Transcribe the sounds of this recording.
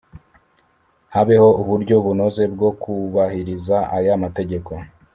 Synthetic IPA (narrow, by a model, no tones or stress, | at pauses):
haβeho̞uβuɾɟo̞βuno̞ze̞b̚ɡo̞kuβahiɾizaajamate̞ɟe̞ko̞